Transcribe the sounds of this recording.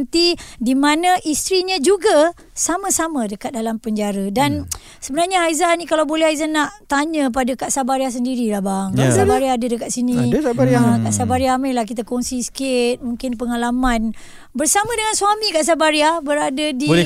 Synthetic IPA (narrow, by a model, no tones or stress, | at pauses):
nt̪idimanãʔist̪ɾiɲãd͡ʒuɡa | samãsamãdəkat̪̚dalampəɲd͡ʒaɾadan | səbənarɲaajzanĩkalawbolɛɦaizanːaʔt̪aɲə̃p̬adakaʔsabaɾias̬əndiɾilahbaŋkaʔsabaɾiaːdədəkat̪sinĩaə̃kaʔsabaɾiaamalahkit̪̬akɔŋsisə̥kɪt̪̚mũŋkɪnpəŋalamãn | bərsamãdəŋansuamikaʔs̬abaɾiabəɾadadio